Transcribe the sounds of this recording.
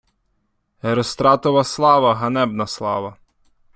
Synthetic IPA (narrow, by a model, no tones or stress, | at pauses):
eɾɔst̪ɾɑt̪ɔʋɐslˠɑʋɐɦɐnɛbnɐslˠɑ̰ʋɐ